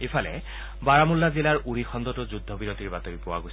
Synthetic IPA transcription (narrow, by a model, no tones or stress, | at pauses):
epʰalɛ̰ | baɹamulːazilaɹʔuɹixɔnd̪ɔtʊzud̪ʱːɔbiɹotiɹbatɔɹipɔwa̰ɡojs